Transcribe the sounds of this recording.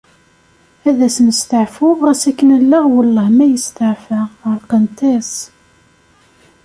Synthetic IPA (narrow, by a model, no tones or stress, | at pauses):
æðæsənəst̪əʕfʊvæsækːənəlːəʁwəlːəhmæjəst̪əʕfəʁəlqənt̪æs